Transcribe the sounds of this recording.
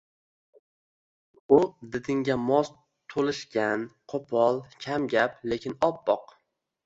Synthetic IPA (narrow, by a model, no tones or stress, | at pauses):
ʊd̪ɪd̪ɪŋɡʲamɒs | t̪ʰolˠɪʃkʲanqʰopʰɒlˠkʲʰamɡʲaple̞kʲʰɪnɒp̚bɒq